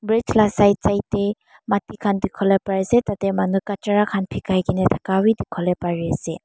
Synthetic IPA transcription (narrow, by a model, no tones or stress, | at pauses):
bɹit͡ʃlasajt͡ʃajte | matikʰandikʰɔlepaɹesetatemanukat͡ʃaɾakʰanpʰikʰajkinetʰḁkawidikʰɔlepaɹiase